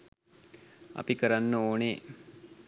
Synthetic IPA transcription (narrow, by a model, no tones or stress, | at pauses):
a̰pikəɾanːəoːne